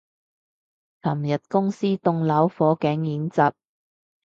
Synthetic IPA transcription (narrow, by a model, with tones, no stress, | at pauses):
t͡sʰɐ˨˩mjɐ˨t̚kʊ˥ŋsiː˥t̪ʊ˧ŋlɐ˨˥wfɔː˨˥kɛː˨˥ŋjiː˨˥nt͡sɐː˨p̚